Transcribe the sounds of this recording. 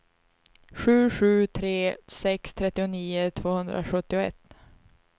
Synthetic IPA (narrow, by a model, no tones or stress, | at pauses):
ɧʉ̟ːɧʉ̟ːt̪ʰɾeːsɛkst̪ʰɾɛt̪ːɪʊniːʊt̪ʰvoːhɵnd̪ɾʔa̰ɧɵt̪ːɪʊɛ̰t̪ː